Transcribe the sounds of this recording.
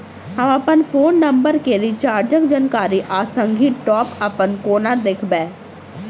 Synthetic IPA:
ɦə̃məpənpʰoːnːəmbəɾkeɾit͡ʃaːɾd͡ʒəkd͡ʒənkaːɾiːʔaːsəŋɡʱiːʈɔːpəpənkoːnad̪ekʰbɛː

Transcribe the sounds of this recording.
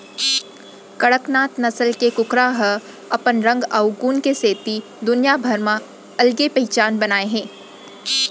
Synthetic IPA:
kɐɽəknaːt̪nɐsəlkekʊkɾaɦə | ɐpənɾɐ̃ŋɡɐʊɡuːnkeseːt̪i | d̪ʊnjabʱɐɾmã | ɐlɡepɐɦɪt͡ʃaːnbɐnaːeɦɛ̃ː

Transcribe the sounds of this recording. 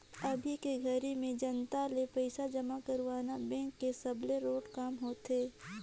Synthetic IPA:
ɐbʱikeɡʱɐɾimẽd͡ʒɐnt̪alepəɪsad͡ʒɐmakɐɾʋaːnabɛ̃ŋkːesɐbleɾoːʈkaːmɦoːt̪eː

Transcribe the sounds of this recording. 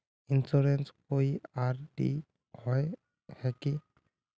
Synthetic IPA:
insuɾɛnskoiaɹdḭ | hɔj | hɛki

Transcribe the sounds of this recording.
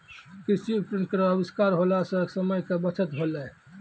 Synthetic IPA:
kisipɾənkɾəbiskaɾɦolasəksəməjkebət͡ʃʰət̪ɦolɛ

